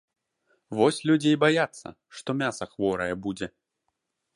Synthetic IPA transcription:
vɔsʲlʲud͡zʲejbajat̪sːɐ̰ | ʂt̪ɔmʲasɐxvɔɾɐjɛbud͡zʲɛ

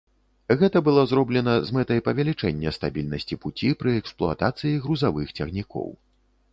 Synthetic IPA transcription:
ɣɛt̪ɐbɨlˠɔzrɔblʲɛnɐzmɛt̪ɐjpɐvʲɛlʲit͡ʂɛnʲːɐst̪abʲilʲnɐsʲt͡sʲiput͡sʲipɾɨɛksplˠua̰t̪at̪sɨjiɣɾuzavɨxt͡sʲaɣnʲikɔ̰w

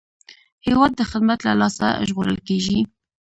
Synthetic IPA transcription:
hewɑd̪ːəxɪd̪mat̪lalɑsa̰ʒɣoɾə̰lkeʒi

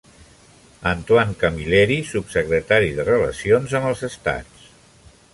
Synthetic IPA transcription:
ənt̪waŋkəmilɛɾisupsəkɾət̪aɾiðərələ̰sionzəməlˠzəst̪a̰t͡s

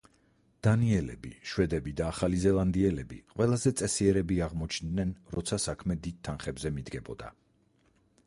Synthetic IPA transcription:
d̪̥aniɛlɛ̰biʃwɛd̪ɛbid̪aːχalizɛlˠand̪iɛlɛbiqʼwɛlˠazɛt̪sʼɛsiɛɾɛbiaʁmɔt͡ʃʰnd̪nɛnɾɔ̰t̪sʰasakʰmɛd̪id̪̚t̪ʰːanχɛbzɛmid̪ɡɛbɔ̰d̪a̰

